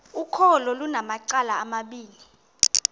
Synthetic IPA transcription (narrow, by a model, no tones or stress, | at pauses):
ukʰɔlɔlunamaǀalaːmaɓiːli